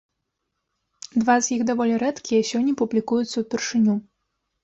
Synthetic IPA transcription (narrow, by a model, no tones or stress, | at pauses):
d̪vazʲjiɣd̪avɔlʲiɾɛt̪kʲijɛsʲɔnʲːɐpublʲikujut̪sːɐwpʲɛrʂɨnʲu